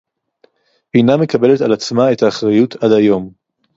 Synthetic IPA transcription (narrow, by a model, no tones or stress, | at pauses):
biname̞kabe̞letalat͡smae̞taːχʁajutʰad̪ajo̞m